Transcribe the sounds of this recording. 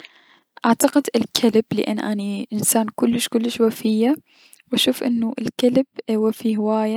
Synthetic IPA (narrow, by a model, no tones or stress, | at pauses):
ʔaʕt̪aqɪd̪ɪlkʰalɪblɪ̰ʔa̰nːʔa̰niʔɪnsaːnkʊlːɪʃkʊlːɪʃwafɪjːa | wɪʃuːfʔɪnːʊʔɪ̰lkalɪb̥wafihɪwaːja